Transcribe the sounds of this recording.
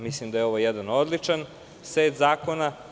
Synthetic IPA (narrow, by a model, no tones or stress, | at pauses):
mislimd̪ajeo̞ʋojɛd̪ano̞d̪lit͡ʂan | svet̪zaːkona